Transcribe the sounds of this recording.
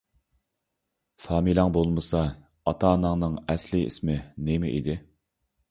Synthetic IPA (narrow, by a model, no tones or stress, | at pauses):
fɑːmilˠɑŋbolˠmɨsɑ | ɑt̪ʰɑːnɨŋnɨŋɛslɪḭsmɪnɪmɪʔḭd̪ɪ